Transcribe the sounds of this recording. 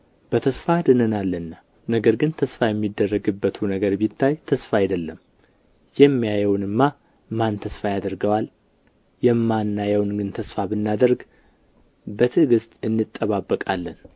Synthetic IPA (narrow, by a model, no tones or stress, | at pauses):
b̥ət̪ʰəsfad̪ɨnənalːənːa | nəɡəɾɡɨnt̪ʰəsfajɛmːid̪ːərːəɡɨbːət̪ʰunəɡəɾbit̪ʰːajt̪ʰəsfaajd̪əlːəm | jɛmːijajəwnɨmːa | mant̪ʰəsfajad̪əɾɡəwal | jɛmːanːajəwnɡɨnt̪ʰəsfabɨnːad̪əɾɡ | bət̪ʰɨɡɨst̪ʼɨnːɨt̪ʼːəβabːəkʼalːən